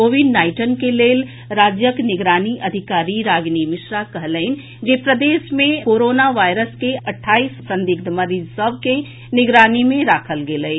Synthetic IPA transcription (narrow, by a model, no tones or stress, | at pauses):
oːʋiɖnaːɪʈənkeleːl | ɾaːd͡ʒjəknɪɡɾaːniʔɐd̪ʱɪkaːɾiɾaːɡnimɪʃɾakəɦləɪn | d͡ʒeːpɾəd̪eːʃmẽkoːɾoːnaʋaːɪɾəskeɐʈʰːaːissə̃nd̪ɪk̚d̪məɾid͡ʒsəb̚ʱke | nɪɡɾaːnimẽɾaːkʰəlɡeləe